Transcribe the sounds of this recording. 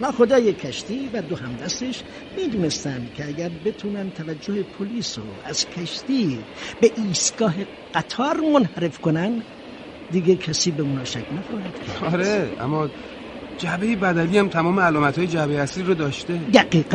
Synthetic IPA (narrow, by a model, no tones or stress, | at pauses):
nɒːxod̪ɒːjekʰæʃt̪iːvæd̪ohæmd̪æst̪e̞ʃ | miːd̪uːnest̪ænd̪cʰeæɡæɾbe̞t̪ʰuːnænt̪ʰævæd͡ʒːohepʰoliːso̰ʔæz̥kʰæʃt̪iː | beʔiːst̪ɡ̥ɒːɦe | ɡ̥æt̪ʰɒːɾmonhæɾe̞fkonæn | d̪iɡekʰæsiːbemunɒːʃækʰnæxɒːhid̪̥kʰæɒɾeæ̰mːɒː | d͡ʒæbejebæd̪æliːæmt̪ʰæmɒːmeælɒːmæt̪hɒːjed͡ʒæbejæsliɾod̪ɒːʃt̪ed̪æɡiːɡæ